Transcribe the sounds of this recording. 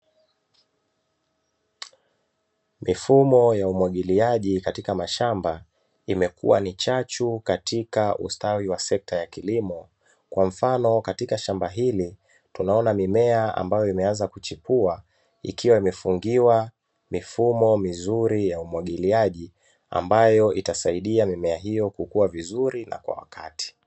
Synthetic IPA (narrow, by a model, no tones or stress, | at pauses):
mifumɔjaumwaɠiliaʄikatikamaʃamba | imɛkʰṵwa̰nit͡ʃat͡ʃukatʰikaʔṵstawiwasɛk̚tajakilimɔ | kwam̩fanɔkatikaʃambaɦili | tunaɔnamimɛaa̰mbajɔimɛanzakut͡ʃipua | ḭkʰiwaimɛfuŋɡiwa | mifumɔmizuɾijaumwaɠiliaʄi | a̰mbajɔitasaiɗiamimɛaɦijɔkukuwavizuɾina̰kwa̰wa̰kʰati̥